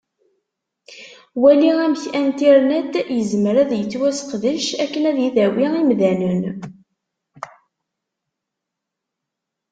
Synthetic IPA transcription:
wæliæmçænt̪iɾnæd̪jəzməɾæðjət͡sːwæsqðəʃækːənæðjiðæwiimðænən

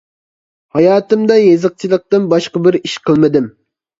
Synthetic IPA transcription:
hɑjɑːt̪ɨmd̪ɑjezɨq̚t͡ʃʰilˠəq̚t̪ɨnbɑʃqɑbɪɾiʃqʰəlˠmɨd̪ɪm

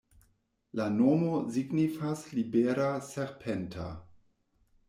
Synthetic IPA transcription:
lanomoziɡnifaslibeɾaseɾpʰentʰa̰

